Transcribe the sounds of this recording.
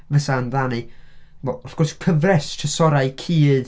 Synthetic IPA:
vəsaənðanɨvɔɔfɡ̥ɔrskʰəvrɛstʰəsɔɾajkʰiːð̥

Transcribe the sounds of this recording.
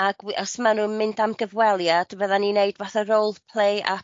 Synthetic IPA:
aɡ̥wɔsmanunmɪndamɡəvwɛlˠjad̥vəðanineɨdvaθəɾowlˠpʰlˠejʔa̰

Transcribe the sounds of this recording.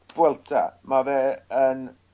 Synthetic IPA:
vwɛlˠtʰa̰mavɛːən

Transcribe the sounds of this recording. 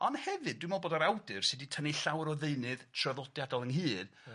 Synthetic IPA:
ɔnhɛvɨdːwjmɔlˠboːdaɾawdɨrsɨditʰəniɬawɾɔðeɨnɨðtʰrəðɔdjadɔlˠənɦɨːd

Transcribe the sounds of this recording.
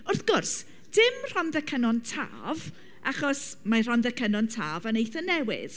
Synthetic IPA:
ʊrθɡ̥ʊrs | d̥ɪmr̥ɔnðɛkʰənɔntʰa̰ːv | ʔaχɔsmar̥ɔnðɛkʰənɔntʰaːvanejθənɛwɪ̰ð

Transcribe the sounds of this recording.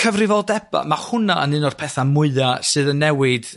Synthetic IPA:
kʰəvrɪvɔlˠdɛb̥a̰mahʊnaʔənɨnɔr̥pʰɛθamʊɨðasɨːðənːɛwɪd̥

